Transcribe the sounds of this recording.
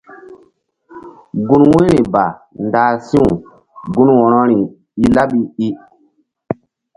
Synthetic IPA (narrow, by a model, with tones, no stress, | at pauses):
ɡu˦nwe˦ɾi˨ba˨ | ndaː˨sĩ˦u˨ | ɡu˦nwɔ˨ɾɔ˦ɾi˨ | i˦la˦ɓi˦i˦